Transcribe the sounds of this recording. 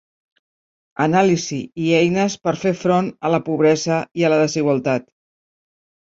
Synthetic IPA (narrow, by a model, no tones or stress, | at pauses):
ənaliziiɛjnəspəɾfefɾonələpuβ̞ɾɛzəiələðəziɣ̞wəlˠt̪at̪